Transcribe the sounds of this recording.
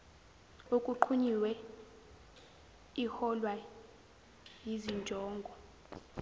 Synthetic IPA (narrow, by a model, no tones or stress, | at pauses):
ukʼuǃʰuɲiwɛ | ihɔlwa | jizind͡ʒʱɔːŋɡʱɔ